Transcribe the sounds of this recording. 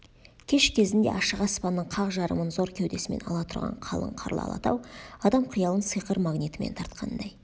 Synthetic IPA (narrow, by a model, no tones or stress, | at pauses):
kʲʰe̞ʃkʲʰe̞zɪnd̪e̞ʔɑʃəʁɑspɑnːəɴqʰɑʁʒɑɾə̰mənzo̞ɾkʲʰewd̪e̞sɪme̞̰nɑ̰lˠɑt̪ʰʊɾʁɑ̰ɴqʰɑlˠə̰ɴqʰɑ̰ɾlˠɑ̰lˠɑ̰t̪ɑ̰wɑd̪ɑmqʰʊjɑlˠənsɨjqəɾmaɡnijt̪əme̞̰nt̪ʰɑɾt̪̚qʰɑnd̪ɑj